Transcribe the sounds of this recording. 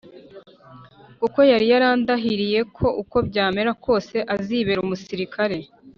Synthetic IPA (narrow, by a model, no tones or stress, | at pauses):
kuko̞jaɾijaɾaːndaɦiɾije̞kʰo̞ʔuko̞bɟaːme̞ɾakʰo̞ːse̞ʔaziβe̞ɾumusiɾikʰaɾe̞